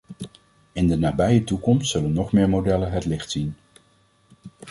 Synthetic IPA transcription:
ɪndənaːbɛjətukɔmstsɵlənːɔχmɪːɹmodɛlənɦətlɪχtsin

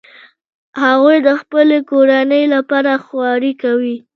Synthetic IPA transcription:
haɣujd̪əxpəlekoɾanəjlapɑɾaxwɑɾikawi

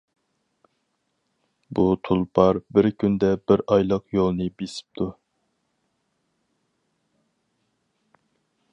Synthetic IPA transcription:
but̪ʰulˠpʰɑɾbɪɾkʲʰynd̪ɛbɪɾɑjlˠəqjolˠnɨbesɪ̥p̚t̪ʰu

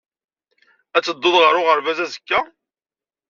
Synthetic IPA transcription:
æt͡sːəd̪ˤːoðʁəɾʊʁəɾvæzæzəkːæ

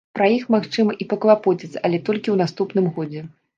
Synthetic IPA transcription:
pɾɐjixmaxt͡ʂɨmɐʔipɐklˠapɔt͡sʲit̪sɐlʲɛt̪ɔlʲkʲiwn̪ast̪upn̪ɨmɣɔd͡zʲɛ

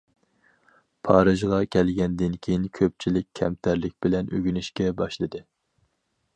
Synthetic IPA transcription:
pʰɑːɾɨʒʁɑkʲʰɛlɡʲɛnd̪ɪnkʲʰejinkʲʰøp̚t͡ʃʰilɪk̚ʲʰːɛmt̪ʰæɾlɪk̚ʲbɪlɛnø̰ɡʲynyʃkʲɛbɑʃlˠɨd̪ɨ

